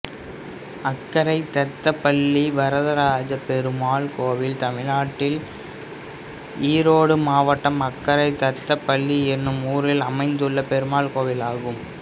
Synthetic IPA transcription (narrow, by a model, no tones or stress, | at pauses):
ɐkːɐɾɐɪt̪ɐt̪ːɐpːɐɭːiʋɐɾɐðɐɾaːd͡ʒɐpɛɾɯmaːɭkoːʋɪlt̪ɐmɪlaːʈːɪl | iːɾoːɽɯmaːʋɐʈːɐmɐkːɐɾɐɪt̪ɐt̪ːɐpːɐɭːiɛnːɯmuːɾɪlɐmɐɪnd̪ɯɭːɐpɛɾɯmaːɭkoːʋɪlaːɣɯm